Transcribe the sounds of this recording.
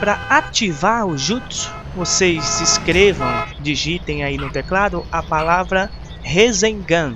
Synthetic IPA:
pɾɐat͡ʃivaɾʊʒut̪ʊs | vosejzdɪskɾevɐ̃w̃d͡ʒiʒit̪ẽj̃ainʊt̪eklad̪ʊɐpalavɾɐ | hezẽɡɐ̃

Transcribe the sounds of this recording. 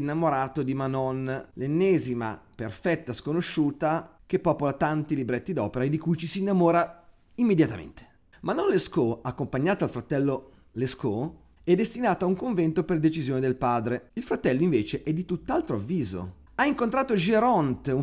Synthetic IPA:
nːamoɾaːt̪od̪imanɔnlenːɛːzima̰perfɛt̪ːaskonoʃːuːt̪ak̟epːɔpolat̪ant̪ilibɾet̪ːid̪ɔ̰ːpeɾaed̪ːikujt͡ʃisiːnːamɔːɾa | imːed̪jat̪amḛnt̪e̥ | manɔnleskoakːompaɲːaːt̪aalfɾat̪ɛlːo | lesko | ɛd̪ːest̪inaːt̪auŋkoɱvɛnt̪operd̪et͡ʃizjoːned̪elpaːd̪ɾeilfɾat̪ɛlːoiɱveːt͡ʃeʔɛd̪ːit̪ut̪ːalt̪ɾoavːiːzo̰ | aiŋkont̪ɾaːt̪od͡ʒeɾɔnt̪u

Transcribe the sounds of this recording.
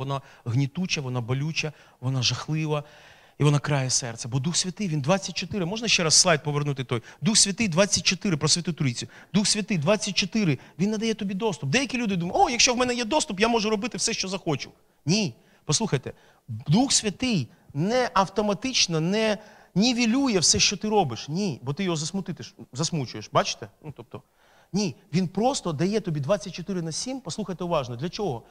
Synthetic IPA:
ɔnaɣnʲɪt̪ut͡ʃɐʋɔnabɔlʲut͡ʃɐ | ʋɔnaʒɐxlˠɪʋɐ | iʋɔnakɾajɛsɛrt̪sʲɛbɔd̪uxsʲʋʲɐt̪ɪjʋʲind̪ʋat͡sʲːɐtʲt͡ʃɔt̪ɪɾɪmɔʒnɐʃt͡ʃɛɾasːlˠajt̪̚pɔʋernut̪ɪt̪ɔjd̪uxsʲʋʲɐt̪ɪjd̪ʋat͡sʲːɐt̚ʲt͡ʃɔt̪ɪɾɪpɾɔsʲʋʲɐt̪ut̪ʊɾʲit͡sʲjʊ | d̪uxsʲʋʲɐt̪ɪjd̪ʋat͡sʲːɐt̚ʲt͡ʃɔt̪ɪɾɪʋʲinːɐd̪ɐjɛt̪ɔbʲid̪ɔst̪ʊp̚d̪ɛjɐkʲilʲud̪ɪd̪umɐɔjɐkʃt͡ʃɔwmɛnɛjɛd̪ɔst̪ʊpjamɔʒʊɾɔbɪt̪ɪwsɛʃt͡ʃɔzɐxɔt͡ʃʊ̰ | nʲi | pɔsˠuxɐjt̪ɛ | d̪uxsʲʋʲɐt̪ɪj | nɛʔɐwt̪ɔmɐt̪ɪt͡ʃnɐnɛ | nʲɛʋʲilʲujɛwsɛʃt͡ʃɔt̪ɪɾɔbɪʃnʲibɔt̪ɪjɔɦɔzɐsmʊt̪ɪt̪ɪʃzɐsmut͡ʃʊjeʃbɑt͡ʃɪ̥t̪ɛnut̪ɔp̚t̪ɔ | nʲiʋʲinpɾɔst̪ɔd̪ɐjɛt̪ɔbʲid̪ʋat͡sʲːɐt̚ʲt͡ʃːɔt̪ɪɾɪnɐsʲimpɔslˠuxɐjt̪ɛʊʋɑʒnɔd̪lʲɐt͡ʃɔɦɔ

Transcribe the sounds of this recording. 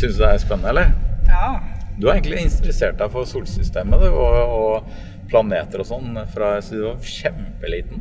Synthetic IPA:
sʏnsd̪ææspɛnːəɛlːəɾ | d̪ʉæɾɛɪŋk̪lɪɪnst̪ɾɛseːʈɑʋfɔɾsuːlsʏst̪eːməd̪ɛɔɔ | pʰlɑneːt̪əɾɔsɔnːfɾɑsd̪ɛʋɑɾɕɛmpəliːt̪n̩

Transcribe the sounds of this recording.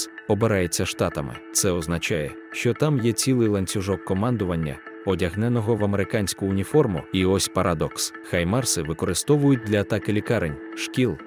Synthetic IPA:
ɔbɪɾɑjet͡sʲːɐʃt̪ɑt̪ɐmɪ̰t̪sɛɔznɐt͡ʃajɛ | ʃt͡ʃɔt̪amjɛt͡sʲilˠɪjlˠɐnʲt͡sʲʊʒɔkːɔmɑnd̪ʊʋɐnʲːɐ̰ɔdʲɐɦnɛnɔɦɔʋɐmeɾɪkɑnʲsʲkʊːnʲifɔrmʊiɔsʲpɐɾʔad̪ɔks | xɐjmɑrsɪʋɪkɔɾɪst̪ɔʋʊjʊt̚ʲd̪lʲɐːt̪ɑkɪlʲikɑɾenʲʃkʲilˠ

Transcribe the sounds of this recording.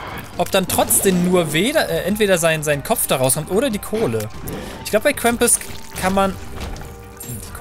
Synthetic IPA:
ʔɔp̚d̥antʁ̥ɔt͡sd̥eːmnuːɐveːdɐʔɛːʔɛntv̥eːɾɐzaɪnzaɪnənkʰɔp͡fd̥aʁaʊskʰɔmtʔoːɾɐdiːkʰoːləʔɪçkɡlaʊbəbaɪkʰʁ̥ɛmpʊskʰanman

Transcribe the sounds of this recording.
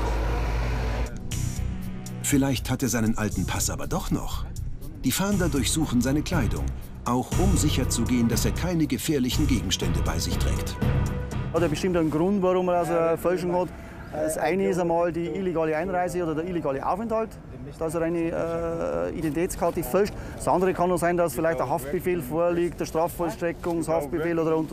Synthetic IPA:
fɪlaɪçthateːɐzaɪnənʔaltn̩pʰasʔaːbɐdɔχnɔ̰χ | d̥iːfaːndɐdʊɐçz̥uːxn̩zaɪnəkʰl̥aɪdʊ̰ŋ | ʔaʊxʔʊmzɪçɐt͡suɡeːəndaseːɐkʰaɪnəɡəfeːɐlɪçn̩ɡeːɡŋ̩ʃtɛndəba̰ɪzɪçtʁ̥ɛ̰ːkt | ɑteɐbəʃtɪmtæɪnɡɾʊntvaʁʊmədasəfœlʃŋhɔt | sʔaɪnəɪs̬aɪmɑːldiːʔɪleɡɑːləaɪnʁaɪzəoːdɐdiileɡaːləʔa̰ʊfɛnthɑlt | d̥ɑɪs̬əɾaɪnə | ḭdɛntitʰɛːt͡sskʰɑtəfœlʃtdsʔɑndəʁəkʰɑnoːsaɪndɑsfɪlaɪçtd̥əɐɦɑft̚b̥əfeːlfoːɐliːktd̥əɐʃtʁ̥ɑːffɔlʃtʁɛkʊŋshɑft̚b̥əfeːloːdəəʊntə

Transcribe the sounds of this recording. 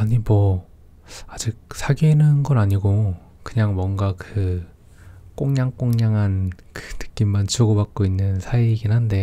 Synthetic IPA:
aɲimwʌ | ad͡ʑik̚sʰaɡinɯnɡʌnaɲiɡo | kɯɲaŋmwʌŋɡakɯ | k͈oŋɲaŋk͈oŋɲaŋɦan | kɯ̥tɯ̥k͈imːant͡ɕuɡʌbak̚k͈oinːɯnsʰaiɡinɦande̞

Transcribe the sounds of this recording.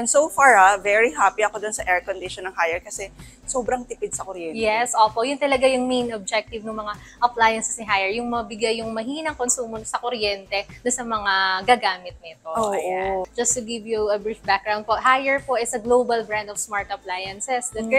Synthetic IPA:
ʔɛnd̪sofaɹavɛɹiɦapiɐkod̪onsɐʔɛɹkond̪ɪʃɔnːɐŋhajɛɹkɐsɛ | soːbɾɐŋt̪ɪpɪd̪̚sɐkoɾjɛjɛsʔoːpo̞ʔjʊnt̪ɐlɐɡajʊŋmejnob̚d͡ʒɛk̚t̪ɪvnɐŋmɐŋa | ʔɐplajɐnsɛsnɪɦajɛɹjʊŋmɐbɪɡajːʊŋmɐɦiːnɐŋkonsuːmosɐkoɾjɛnt̪ɛnɐsɐmɐŋaɡaɡaːmɪt̪̚nɪt̪ooʔod͡ʒɐst̪ʊɡɪvjuɐbɹifbak̚ɡɾawnd̪̚poʔhajɛɹpoʔɛsɐɡlowbɐlbɹand̪ɔvsmaɹt̪ɐplajɐnsɛsd̪ɐ

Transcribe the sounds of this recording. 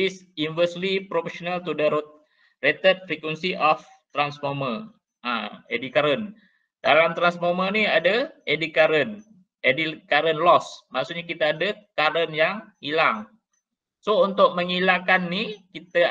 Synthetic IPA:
is | invəslipɾofesonalt̪udaɾʊt̪̚ | ret̪ət̪̚fɾekwɛnsiʔɔf | t̪ɾansformə | ʔa̰edikaɾən | d̥alamt̪ɾansfoməniadaedikaɾən | edikaɾənlɔsmaksuʔɲakit̪aːdakaɾənjaŋhilaŋ | sount̪ʊk̚məŋilakanːikit̪a

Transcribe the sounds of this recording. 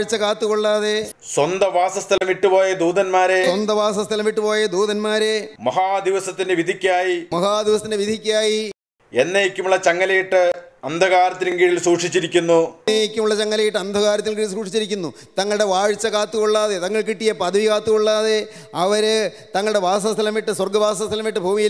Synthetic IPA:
ɻt͡ɕːɐkaːt̪ːuɣoɭːaːðe | swɐnd̪ɐʋaːsɐst̪ʰɐlɐmʋiʈːupo̞ːjɐd̪uːd̪ɐnmaːɾeswɐnd̪ɐʋaːsɐst̪ʰɐlɐmʋiʈːɨpo̞ːjɐd̪uːðɐnmaːɾe̞mɐɦaːd̪iʋɐsɐt̪ːindeʋid̪ʱikʲːaːjimɐɦaːd̪iʋɐs̬ɐt̪indeʋid̪ʱikʲːaːji | enːejekʲːumuɭːɐt͡ɕɐŋːɐlɐjiʈːɨɐnd̪ʱɐɣaːɾɐt̪ːiniŋɡiɻilsuːʂit͡ɕːiɾikʲːunːuejekʲːumuɭːɐt͡ɕɐŋːɐlɐjiʈːɨɐnd̪ʱɐɣaːɾɐt̪ːiɡiɾsuːkʂit͡ɕːiɾikʲːunːu | t̪ɐŋːɐɭɽe̞ʋaːɻt͡ɕːɐɣaːt̪ːuɣoɭːaːðet̪ɐŋːɐɭk̬iʈːijɐpɐd̪ɐʋikaːt̪ːuɣoɭːaːðe | ɐʋɐɾɨ | t̪ɐŋːɐɭɨɽe̞bʱaːsɐst̪ʰɐlɐmiʈːɨswɐrɡɐbʱaːs̬ɐst̪ʰɐlɐmiʈːɨbʱuːmiji

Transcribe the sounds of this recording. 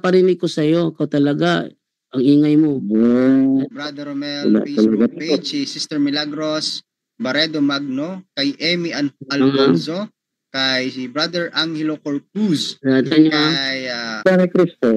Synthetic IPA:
pɐɾinɪɡ̚kosɐjo̞kot̪ɐlɐɡa | ʔɐŋʔiːŋɐjmoobɾad̪ɛɾomɛlla̰ʔilɐɡapesisist̪ɛɹmɪlaɡɾos | bɐɾɛd̪omaɡ̚nokɐjʔɛmiʔɐnɐlɐanso | kajsibɾad̪ɛɹʔaŋhɛlokoɹp̚usat̪aɲojaanikɾist̪o

